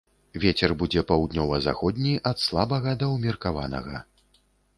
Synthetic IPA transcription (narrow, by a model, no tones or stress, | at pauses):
vʲet͡sʲɛrbud͡zʲɛpawd̪nʲɔvɐza̰xɔd̪ʲnʲiʔɐt̪slˠabɐɣɐd̪ɐwmʲirkava̰nɐ̰ɣɐ̰